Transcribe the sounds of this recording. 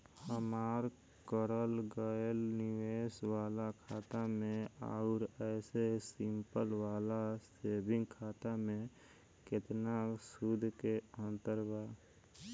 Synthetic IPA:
həmaːɾ | kəɾəlɡəlnɪʋeːswaːlakʰaːt̪amẽaʊɾɛːsesɪmpəlʋaːlaseːbɪ̃ŋɡkʰaːt̪amẽ | kɪt̪nasud̪ʱkeə̃nt̪əɾbaː

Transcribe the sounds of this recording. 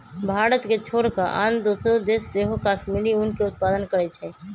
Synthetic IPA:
bʱaːɾət̪ket͡ʃʰoːɽkaʔa̰ːnd̪usɾod̪eːsːeːɦokaːsmiːɾiʊnkeʊt̪̚paːd̪ənkəɾɛt͡ʃʰɛ

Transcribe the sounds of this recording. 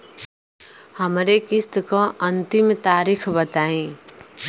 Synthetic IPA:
həmɾekist̪kõənt̪imt̪aɾikʰbət̪aĩ

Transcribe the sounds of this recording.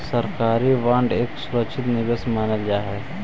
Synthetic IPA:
səɾkaːɾiʋãːɳɖeːksʊɾəkʃʰɪt̪nɪɡəsmaːnəld͡ʒaːɦɛ

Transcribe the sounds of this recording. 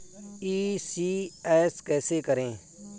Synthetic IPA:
iːsiːɛːskɛːseːkəɾẽː

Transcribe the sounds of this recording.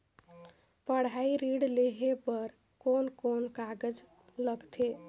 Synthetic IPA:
pəɽ̤aiɾiɽleɦepəɾ | konkonkaɡəd͡ʒ | ləɡt̪ʰe

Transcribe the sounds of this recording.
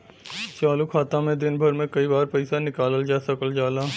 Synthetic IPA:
t͡ʃaːlukʰaːt̪ãmẽd̪ɪnbʱɐɾmẽkɐibaːɾpɛɪsanɪkaːləld͡ʒaːsɐkəld͡ʒaːlaː

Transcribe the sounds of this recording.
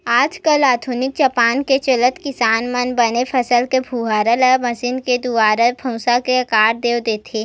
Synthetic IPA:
aːd͡ʒ̪kəlaːd̪ʰʱʊnɪk̚t͡ʃɐpaːnket͡ʃɐlət̪kɪsaːnmɐnbɐnefʰɐsəlkebʱuːɦaːɾələmɐsɪnked̪uaːɾəbʰɐ̃ʊsakeɐkaːɾd̪eːod̪eːt̪ʰeː

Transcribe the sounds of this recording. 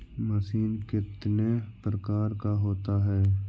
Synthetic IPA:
məsiːnkɪt̪nepɾəkaːɾkaɦoːt̪aɦɛː

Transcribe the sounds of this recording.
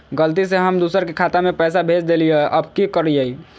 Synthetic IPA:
ɡəlt̪̬iseɦəmd̪usəɾkekʰat̪amepɛsabʱed͡ʒd̪elijeʔəbʱkikəɾijəi

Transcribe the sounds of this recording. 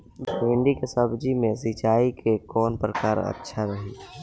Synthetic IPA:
mɪ̃ɳɖikesəbʱd͡ʒimẽsit͡ʃaːikʰekɔːnpɾəkaːɾə̰tːʃʰaɾəɦiː

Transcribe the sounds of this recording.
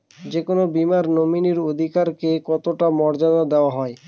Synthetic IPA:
d͡ʑekonobimaɾnominiɾod̪ʱikaɾkekɔt̪oʈamɔɾd͡ʑad̪ad̪eoaɦɔe

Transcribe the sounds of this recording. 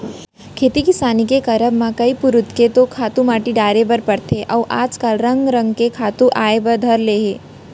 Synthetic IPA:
kʰeːt̪ikɪsaːnik̬ekɐɾəbmãkɐipʊɾʊt̪ket̪okʰaːt̪ũmaːʈiɖaːɾebəɾpɐɽt̪ʰeʔɐʋʔa̰ːd͡ʒkəlɾɐ̃ŋɡɾə̃ŋɡkekʰaːt̪ũʔaːebɐɾd̪ʱɐɾleːɦeː

